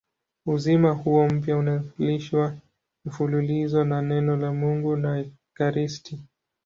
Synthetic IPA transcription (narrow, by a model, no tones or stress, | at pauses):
uzimahuɔm̩pjaunaliʃwa | mifululizɔnanɛnɔlamuŋɡuna | kaɾistʰi